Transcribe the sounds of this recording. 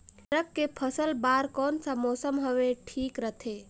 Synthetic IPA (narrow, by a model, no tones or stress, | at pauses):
ɾəkːepʰəsəlbaːɾkɔːnsamɔːsəmɦəʋeʈʰiːkɾət̪ʰeː